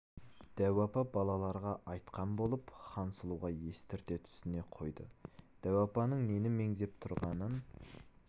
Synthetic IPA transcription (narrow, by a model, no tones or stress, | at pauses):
d̪̥æwɑpɑbɑlˠɑlˠɑɾʁɑʔɑjt̪qɑnbo̞lˠəpχɑnsəlˠuʁɑje̞st̪ɪɾt̪e̞t̪ʰʏ̥st̪ɪne̞qʰo̞jd̪ə̰d̪̥æwɑpɑnəɴne̞nɪme̞ŋzept̪ʰʊɾʁɑnən